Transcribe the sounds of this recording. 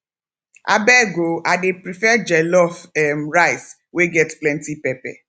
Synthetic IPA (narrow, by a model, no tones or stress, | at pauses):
a̰bɛɡoadepɾifɛd͡ʒɛlɔfɛmɹajs | weɡɛtplɛ̃ntipɛpɛ̰